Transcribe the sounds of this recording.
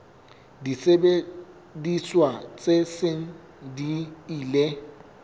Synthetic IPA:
disebe | diswat͡sʼesɪŋ̩ | diiːle

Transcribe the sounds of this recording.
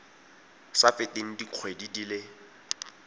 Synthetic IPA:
safɪteŋ̩diq͡χʰwedidilɪ

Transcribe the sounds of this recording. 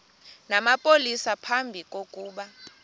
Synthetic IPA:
namapʼolisapʰambʱik̬ʼokʼuːɓa

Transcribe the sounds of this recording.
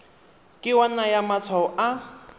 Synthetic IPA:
kʼɪwanajamat͡sʰaɔʔa

